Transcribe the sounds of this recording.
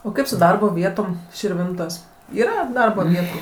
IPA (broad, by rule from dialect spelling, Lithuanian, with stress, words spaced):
oː ˈkɐɪp sʊ ˈdɐrboː ˈʋʲiɛtoːm ʃʲɪrʲˈʋʲɪntoːsʲ ˈiːrɐ ˈdɐrboː ˈʋʲiɛtʊ